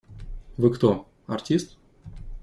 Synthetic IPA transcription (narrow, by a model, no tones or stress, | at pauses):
vɨkt̪o | ɐ̰rtʲist̪